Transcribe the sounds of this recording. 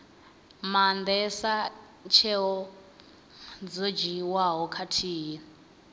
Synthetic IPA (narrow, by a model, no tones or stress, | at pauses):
mand̪ɛsa | t͡ʃʰɛɦɔ | d͡zod͡ʒiwaɦɔkʰatʰiːɦin